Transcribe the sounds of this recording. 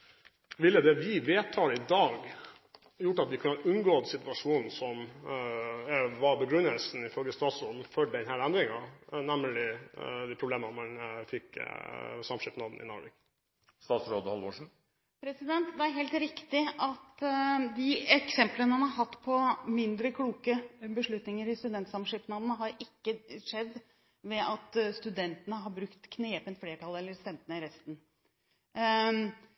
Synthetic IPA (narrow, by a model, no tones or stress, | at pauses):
ʋɪlːəd̪ɛʋɪʋeːt̪ʰːɑːɾɪd̪ɑːɡ | jʊʈːɑt̪ʋɪkʰʉnəɑʔʉnɡoːd̪sɪt̪ʋɑʂuːnn̩sɔm | ʋɑɾbəɡɾʉnːəlsn̩ɪfœlɡəst̪ɑːt̪sɾoːd̪n̩fœɖd̪ɛnhæːɾænd̪ɾɪŋɑnæməlɪd̪ɪpʰɾʊbleːmənmɑnfɪkː | sɑmʂɪpnɑd̪n̩ʔɪ̰nɑ̰ːɾʋḭk | st̪ɑːt̪sɾoːd̪hɑlʋoːʂɳ̩ | pʰɾɛsɪd̪ɛnt̪d̪ɛæɾɦeːlt̪ɾɪkt̪ɪɑt̪d̪ɪɛksɛmplənəmɑnhɑɦɑt̪ːpʰɔmɪnd̪ɾəkʰluːkəbəʂɭʉt̪nɪŋəɾɪst̪ʉd̪ɛnt̪sɑmʂɪpnɑd̪ənəɦɑɾɪkːəʂɛd̪ː | ʋɛʔɑt̪st̪ʉd̪ɛnt̪ənəɦɑɾbɾʉkt̪kʰneːpənt̪fleːʈʰɑlɛlːəɾst̪ɛmt̪ənəɪɾɛst̪n